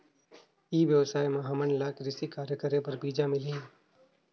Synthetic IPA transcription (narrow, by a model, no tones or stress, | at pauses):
iːʋjəʋsaːjmɐɦaːmənlaːkɾɪsikaːɾjəkəɾẽpɐɾbiːd͡ʒamɪliɛ̃ː